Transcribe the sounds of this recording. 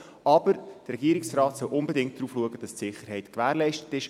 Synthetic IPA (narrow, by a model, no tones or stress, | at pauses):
ʔɑb̥əɾd̥rɛɡiːəɾɪksrɑːtsœwʔʊmbɛdɪŋt̚d̥ɾuːfluəɡəd̥ɑstsɪχəɾɦɛɪtkʋæːɾlɛɪʃtə̥tɪʃ